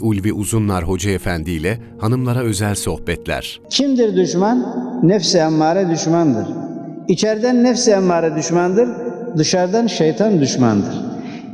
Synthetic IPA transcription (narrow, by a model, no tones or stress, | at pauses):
ulʲviʔuzunlˠaɾɦo̞d͡ʒaefænd̪iːlʲɛ | hanɯmlˠaɾaø̞zælʲso̞hbɛt̪ʰlʲæ̰ɾ̥ | cʰimd̪iɾd̪yʃmanːɛfsiamːaːɾɛd̪yʃmand̪ɯɾit͡ʃʰɛɾd̪ænːɛfsamːaːɾɛd̪yʃmand̪ɯɾd̪ɯʃaɾd̪anʃejt̪ʰand̪yʃma̰nd̪ɯɾ̥